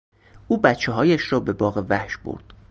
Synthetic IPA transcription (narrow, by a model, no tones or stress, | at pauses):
ʔuːbæt̪t͡ʃʰeɦɒːjæʃrɒːbe̞bɒːɣevæhʃbo̰ɾd̪̥